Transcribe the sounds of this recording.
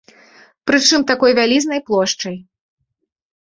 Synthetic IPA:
pɾɨt͡ʂɨmt̪akɔjvʲalʲiznɐjplˠɔʂt͡ʂɐj

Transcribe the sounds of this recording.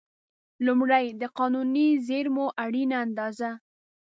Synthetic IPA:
lʊmɽajd̪əqɑnunizeɾmoʔaɽinaːnd̪ɑza

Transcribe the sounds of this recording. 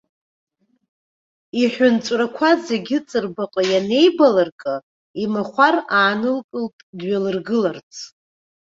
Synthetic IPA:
iħʷᶣʊnt͡ʃʷʼrakʷʰaze̞ɡʲɪt͡sʼɨrbaqʼajane̞jbalarkʼɨ | imaχʷaraːnɨlkʼɨltʼdɥalɨrɡɨlart͡sʰ

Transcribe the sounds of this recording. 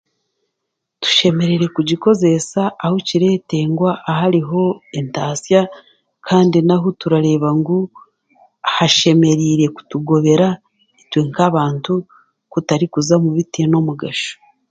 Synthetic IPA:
tu̥ʃe̞me̞ɾe̞ɾe̞kuɟiko̞ze̞saʔːhociɾe̞te̞ːŋɡwaʔːɦaɾiɦo̞e̞ntaːsja | kʰaːndinaɦotuɾaɾe̞ːβaŋɡu | haʃe̞me̞ɾiːɾe̞ku̥tuɡo̞βe̞ɾa | itweŋkaβaːntu | kutaɾikuzamuβitino̞muɡaʃo̥

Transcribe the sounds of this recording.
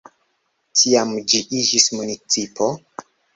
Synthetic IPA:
tʰiamd͡ʒiʔid͡ʒismunit͡sipʰo̞

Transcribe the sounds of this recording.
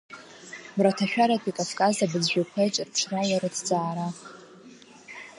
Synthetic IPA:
bratʰaʃᶣaɾatʰʼikʼafkʼazabɨd͡zʒᶣakʷʰejt͡ʃʼrpʰʈ͡ʂʷʰrawaɾɨdʰd͡zaːɾa

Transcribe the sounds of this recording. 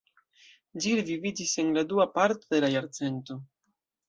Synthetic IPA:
d͡ʒilevivid͡ʒise̞nladuapaɾtod̪e̞lajaɾt͡se̞nto̞

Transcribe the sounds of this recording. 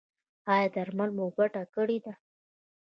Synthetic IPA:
ɑjɑd̪aɾmalmobaʈakəɽid̪a

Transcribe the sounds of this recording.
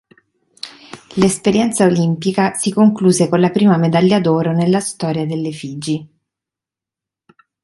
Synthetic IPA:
lespeɾjɛnt̪saolimpikasikoŋkluːzekonlapɾiːmamed̪aʎːad̪oːɾonelːast̪ɔːɾjad̪elːefiːd͡ʒi

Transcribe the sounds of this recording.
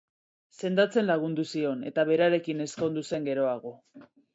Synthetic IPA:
se̞nd̪at͡se̞nlaɣ̞und̪usio̞ne̞̰t̪aβe̞ɾaɾe̞kine̞sko̞nd̪use̞ŋɡe̞ɾo̞aɣ̞o̞

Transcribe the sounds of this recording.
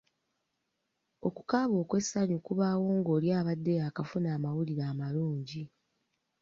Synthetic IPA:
o̞kukaːβo̞ːkwe̞sːaɲukuβaːwo̞ːŋɡo̞ːljaːβadːe̞jaːkafunaːmawuliɾaːmaluːɲɟi

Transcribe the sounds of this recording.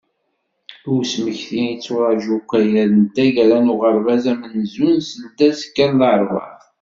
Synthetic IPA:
uwsməçθinit͡sːuɾˤɑʒukʷːæjæðənt̪æʝɾænuʁəɾˤvæzæmənzunsəld̪æskːænðəɾˤvɑ̰θ

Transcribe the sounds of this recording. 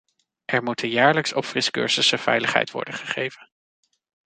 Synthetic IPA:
ʔɛɹmutənjaːɹləksɔpfrɪskø̰ːɹzəsəv̥ɛ̰jləχɦɛ̰jtʋɔ̰ɹdəχəχejvən

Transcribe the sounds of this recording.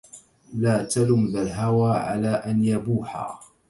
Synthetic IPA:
laːt̪alʊmðalɦawaːʕa̰laːʔanjabuːħa̰ː

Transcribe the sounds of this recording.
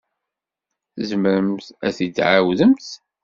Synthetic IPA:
θzmɾəmθæθid̪ʕawðəmθ

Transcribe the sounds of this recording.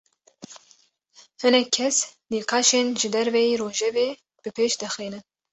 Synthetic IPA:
hɨnɛkʰːɛsniːqɑːʃeːnʒɨd̪ɛɾvɛjiːɾoːʒɛveː | b̥ɨpʰeːʃd̪ɨxiːnɨn

